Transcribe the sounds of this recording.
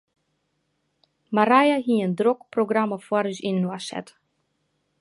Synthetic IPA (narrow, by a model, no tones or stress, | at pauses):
maɾajaɦiəndrokproɡraməfwaɾysinːwasɛ̰t